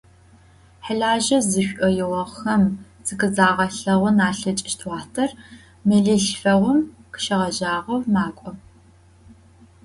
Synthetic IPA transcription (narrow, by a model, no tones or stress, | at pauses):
ħəɮaːʒɐzɨɕʷᶣʔʷɔjɪʁɐʁxɐm | zɨkɨzaːʁɐɬɐʁʷʊnaːɬɐt͡ʃʼɪʃtʰwɑːtʰɐr | mɨɮɨɬfɐʁʷʊmkʰə̥ʃɐʁɐʒaːʁɐwmaːkʷʼɔ